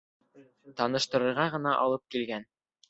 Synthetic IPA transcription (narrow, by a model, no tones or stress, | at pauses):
t̪ɑnɤ̆ʃt̪ɤ̆ɾɤ̆ɾʁɑʁɤ̆nɑʔɑ̰lˠɤp̚kilɡæn